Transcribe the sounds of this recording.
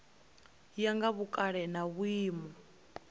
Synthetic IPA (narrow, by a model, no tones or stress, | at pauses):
jaŋɡaβukʼaɺɛnaβuiːmɔ